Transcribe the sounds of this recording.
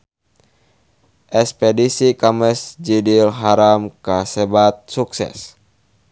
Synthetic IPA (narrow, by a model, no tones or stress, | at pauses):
ʔɛspedisikamisd͡ʒidilɦaɾamkasɛbat̪̚suksɛ̰s